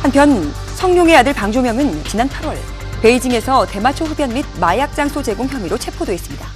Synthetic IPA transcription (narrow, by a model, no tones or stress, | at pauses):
hanpʰjʌn | sʰʌŋɲoŋe̞adɯɭpaŋd͡ʑomjʌŋɯnt͡ɕinanpʰaɾwʌɭ | pe̞id͡ʑiŋe̞sʰʌte̞mat͡ɕʰoɸudjʌnmid̚majak̚t͡ɕ͈aŋsʰot͡ɕe̞ɡoŋçjʌmiɾot͡ɕʰe̞pʰodweːs͈ɯmɲida